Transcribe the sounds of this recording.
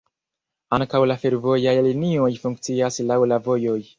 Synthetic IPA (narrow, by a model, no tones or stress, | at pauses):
aŋkawlafe̞ɾvo̞jajlinio̞jfuŋk̚t͡siaslawlavo̞jo̞j